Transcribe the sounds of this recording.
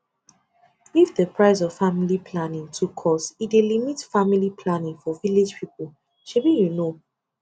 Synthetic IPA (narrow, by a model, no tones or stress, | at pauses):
ifðəpʰɹaɪs̬ɔv̥familipʰlanĩŋtʰukʰːɔsidelimitfamilipʰlanĩŋfɔvile̥d͡ʒpʰipol | ʃebijuno